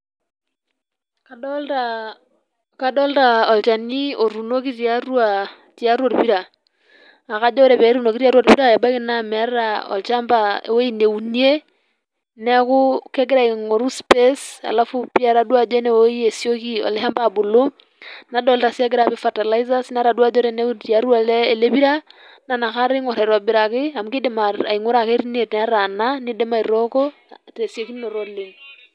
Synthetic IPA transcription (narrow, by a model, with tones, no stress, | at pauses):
kaa | ka˦dɔ˦lta˨ɔ˨lt͡ʃa˨ni˦o˨ɾu˨no˦ki˦ɾja˦ɾwa˨ | tja˦ɾwɔ˨ɾpi˦ɾa˨ | a˨ka˦d͡ʒɔ˦ɾɛ˨βɛ˨˦ɾu˦no˨ki˦ɾa˦ɾwa˨ɾpi˦ɾa˦˨ja˨ba˦kɪ˦na˦m˨a˦ɾɾa˨ɔ̰˨lt͡ʃa˦mbao˦i˦ne˨u˨nie˦ | nɛ˦kʊ˦kɛ˦ɡɪ˦ɾa˨ŋo˨ɾu˦spe˦sa̰˨lafu˦pi˦a˨ɾa˨dwa˨d͡ʒe˦nɛ˨wo˦i˦e˨sjo˦ki˦ɔ̰˨le˦ɦa˦mba˨bo˨lo˦ | na˨dɔ˨lta˨sja˦ɡe˦ɾa˨be˦fa˨ta˨la˦i˦za˦sna˦ɾa˨dwa˦d͡ʒɔ˦ɾɛ˦ne˦u˦tia˨ɾu˦a˨lɛ˦e˨le˦βi˦ɾa˦ | na˨na˨ka˦ɾɪ˦ŋɔ˨ɾɛ˨ɾwa˨bɪ˨ɾa˨kɪ˦a˨mu˦ke˦de˨maa̰˨i˨ŋo˦ɾa˨ke˦ɾi˦ne˨tna˦ɾa˨na˦ne˦de˦ma˨i˨ɾɔkɔ˦ | te˨sjo˨ki˦no˨ɾɔle˨ŋ